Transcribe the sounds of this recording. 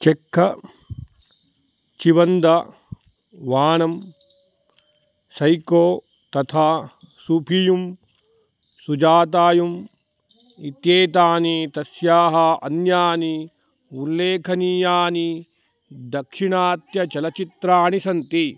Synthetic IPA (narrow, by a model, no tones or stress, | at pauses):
t͡ʃekʰːɐ | t͡ʃiʋɐnd̪ɐ | ʋaːɳɐm | sɐjkoː | t̪ɐt̪ʰaː | supʰijum | sud͡ʒaːt̪̬aːjum | it̪jeːt̪aːnit̪ɐsjaːɦɐɐ̰njaːni | ulːeːkʰɐniːjaːni | d̪ɐkʂiɳaːt̪jɐt͡ʃɐlɐt͡ʃit̪ɾaːɳisɐnt̪i